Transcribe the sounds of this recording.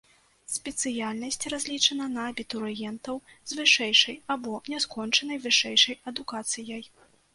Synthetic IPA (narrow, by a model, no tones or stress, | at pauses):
sʲpʲɛt̪sɨjalʲnɐsʲt͡sʲrazʲlʲit͡ʂɐnɐnɐːbʲit̪uɾjɛnt̪ɐw | zvɨʂɛjʂɐjabɔnʲɛskɔnt͡ʂɐnɐjvɨʂɛjʂɐjɐd̪ukat̪sɨjɐj